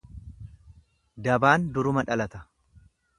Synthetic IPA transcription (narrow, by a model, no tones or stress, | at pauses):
d̪ɐbaːnd̪ʊɾʊmɐᶑɐlɐt̪ɐ̥